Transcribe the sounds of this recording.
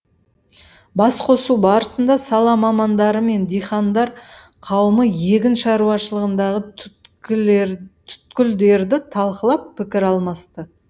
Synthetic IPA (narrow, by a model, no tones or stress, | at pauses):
bɑsqʰo̞subɑɾəsənd̪ɑsɑlˠɑmɑmɑnd̪ɑɾəme̞nd̪ijχɑnd̪ɑɾ | qʰɑwəməje̞ɡʲɪnʃɑɾuɑʃəlˠəʁənd̪ɑʁə | t̪ʰʏ̥t̪kʲɪld̪e̞ɾd̪ɪt̪ʰɑlˠqəlˠɑpʰːɪkʲɪɾɑlˠmɑst̪ə